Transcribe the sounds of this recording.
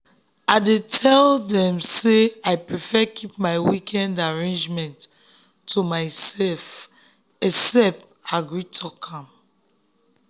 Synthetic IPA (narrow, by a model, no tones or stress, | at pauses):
aɪdetʰɛldɛ̃mseaɪpɹifɛkʰip̚maɪwikʰɛ̃ndaɹẽnd͡ʒmɛ̃ntːʰ | umaɪsɛf | ɛsɛp̚t | aɡɹitʰɔkʰãm